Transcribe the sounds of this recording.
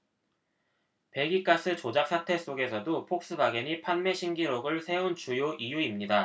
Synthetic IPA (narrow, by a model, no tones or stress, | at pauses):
pe̞ɡik͈asʰɯt͡ɕod͡ʑak̚s͈ʰatʰe̞s͈oɡe̞sʰʌdopʰok̚s͈ɯbaɡiɲipʰanme̞ɕʰiŋɡiɾoɡɯɭsʰe̞unt͡ɕujoʔijuimɲida